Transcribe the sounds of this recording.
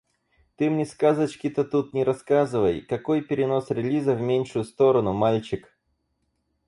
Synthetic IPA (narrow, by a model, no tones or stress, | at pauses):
t̪ɨmnʲɪskazət͡ɕkʲɪt̪ət̪ut̪nʲɪɾɐskazɨvəjkɐko̞jpʲɪɾʲɪno̞sɾʲɪlʲizəvmʲenʲʂʊjʊst̪o̞ɾənʊmalʲt͡ɕɪk